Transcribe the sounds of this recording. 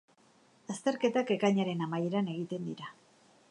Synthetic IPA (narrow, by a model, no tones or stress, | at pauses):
ast̪e̞ɾke̞t̪ake̞kaɲaɾe̞namajeɾane̞ɣ̞it̪e̞nd̪iɾa